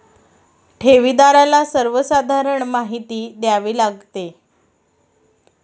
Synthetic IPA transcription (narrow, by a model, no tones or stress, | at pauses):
ʈʰeʋid̪aɾalasəɾʋəsad̪ʱaɾəɳmaɦit̪iːd̪jaʋiːlaɡt̪e